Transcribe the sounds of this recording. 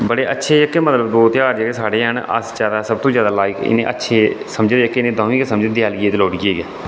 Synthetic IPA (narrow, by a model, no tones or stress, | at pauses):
bəɽeːʔətːʃʰeːd͡ʒəkːeːmət̪ləbbɔːt̪jaːɾd͡ʒəkesaːɽeːɦənə̰sd͡ʒjaːd̪aːsəb̚t̪õːzjaːd̪aːlaːɪkɪ̰nḛ̃ːʔə̰tːʃʰeːsəmd͡ʒd̪əkːeɪnẽːd̪ãːiːkesəmd͡ʒd̪ɪjaːlieːt̪ːloːɽiːeːɡɛː